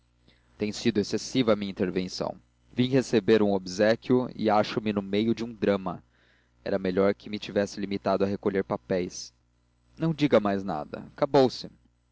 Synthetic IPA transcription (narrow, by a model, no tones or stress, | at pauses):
t̪ẽj̃sid̪ʊesesivɐmĩɲɐĩt̪eɾvẽsɐ̰̃w̃ | vĩhesebeɾũobizɛkʲjʊɪ̰aʃʊmɪnʊmejʊd͡ʒɪũd̪ɾɐ̃mɐ | ɛ̰ɾɐmeʎɔɾkʰɪmɪt͡ʃivɛsɪlimit̪ad̪ʊɐɦekoʎeɾpapɛjs | nɐ̃w̃d͡ʒiɡɐmajzna̰d̪ɐ̰kabowsɪ